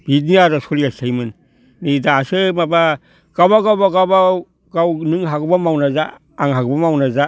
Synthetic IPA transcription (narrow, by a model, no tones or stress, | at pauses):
b̥itniaɾasɔliasʰajmɯn | nidaːsɯmaba | ɡ̥awbaɡawbaɡawba | ɡawnɯŋɦaɡɯbamawnazaː | ŋɦaɡɯbamawnaza